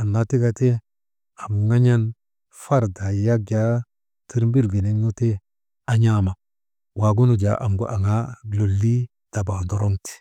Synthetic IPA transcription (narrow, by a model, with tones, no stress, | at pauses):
a˨nːa˨ti˦ɡa˨te˦ | a˨mŋa˦ɲa˦n | fa˦ɾda˨ja˦ɡja˦ | ti˦ɾm˦bi˦ɾɡi˨ni˦nu˦te˦ | a˦ɲa˦ma˨ | wa˨ɡu˦nu˨d͡ʒa˨ʔa˨mɡu˦ʔa˨ŋa˦˨lo˨lːi˦ | d̥a˨ba˨do˨ɾo˦ŋti̥˨